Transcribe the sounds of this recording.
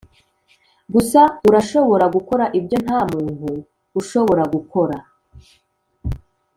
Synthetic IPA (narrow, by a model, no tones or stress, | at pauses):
ɡusauɾaʃo̞βo̞ɾaɡuko̞ɾaʔibjo̞n̥haːmuːnhuː | ʃo̞βo̞ɾaɡukʰo̞ɾa